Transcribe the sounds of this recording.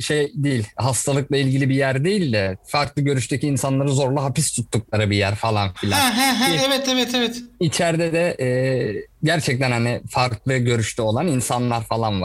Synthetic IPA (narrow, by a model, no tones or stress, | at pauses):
ʃejd̪ejilʲɦast̪ʰalˠɯklˠailʲɟilʲibijæɾd̪ejilʲd̪ɛfaɾklˠɯɟø̞ɾyʃt̪ʰecʰiːnsanlˠaɾɯzo̞ɾlˠuɦapist̪ʰut̪ːuklˠaɾɯbijæɾfalˠanfilʲæɛɦæɦæɛvɛt̪ʰevɛt̪ʰevɛt̪it͡ʃʰæɾd̪ɛd̪ɛʔɛːɟæɾt͡ʃʰɛc̚t̪ʰænhanɪfaɾklˠɯɟø̞ɾyʃt̪ʰɛo̞lˠaninsanlˠaɾfalˠanva